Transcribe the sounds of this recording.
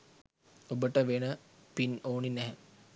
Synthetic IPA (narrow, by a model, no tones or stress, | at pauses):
obəʈəʋenəpinoːninɛɦə